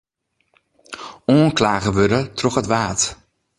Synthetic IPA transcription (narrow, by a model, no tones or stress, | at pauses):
oənklaːɣəʋødətrɔxətʋaːt